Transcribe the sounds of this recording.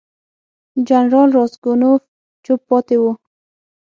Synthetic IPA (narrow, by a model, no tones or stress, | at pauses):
d͡ʒanɾɑlɾɑsɡonof | t͡ʃʊpːɔt̪ewu